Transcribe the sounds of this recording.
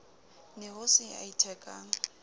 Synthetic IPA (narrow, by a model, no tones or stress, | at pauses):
nɛhʊsɪa̰itʰɛkʼaːŋ̩